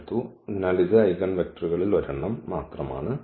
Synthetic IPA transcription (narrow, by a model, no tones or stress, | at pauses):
t̪ːu | nɐɭiðɨɐjɣɐnʋek̚ʈɐruɣɐɭilʋɐɾuɳːɐmːaːt̪rɐma̰ːɳɨ